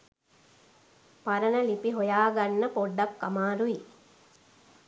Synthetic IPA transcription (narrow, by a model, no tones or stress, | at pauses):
paɾənəlipiɦojaːɡanːəpoɖːakːamaːɾui